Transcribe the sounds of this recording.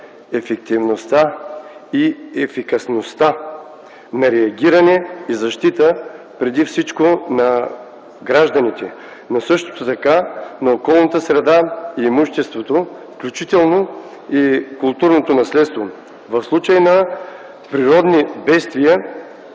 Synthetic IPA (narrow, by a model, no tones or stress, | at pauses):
ɛfɛk̚t̪ivnost̪a | iɛfikɐsnost̪a | nɐɾɛɐɡʲiɾɐnɛizɐʃt̪it̪ə | pɾɛd̪ifsit͡ʃkonɐ | ɡɾaʒd̪ɐnit̪ɛ | nosɤʃt̪o̥t̪ot̪ɐkanɐokɔlˠnɐt̪əsɾɛd̪aiɛmuʃt̪ɛst̪vot̪ofklʲut͡ʃit̪ɛlˠno | ikʊlˠt̪uɾnot̪onɐslɛt̪st̪vo | vɐfslˠut͡ʃəjnɐ | pɾiɾɔd̪nibɛst̪vijə